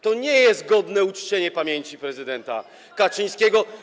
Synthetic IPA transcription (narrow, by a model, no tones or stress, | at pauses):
t̪ɔɲɛjɛst̪̚ɡɔd̪nɛut͡ʂt͡ɕeɲɛpamʲjeɲt͡ɕipɾɛzɘd̪ɛnt̪a̰ | kat͡ʂɘj̃skʲeɡɔ